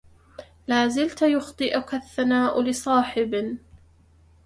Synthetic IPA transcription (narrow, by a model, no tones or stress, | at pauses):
laːzɪlt̪jʊxt̪ˤɨʔʊkaθːanaːʔʊlɪsˤɑːħɪb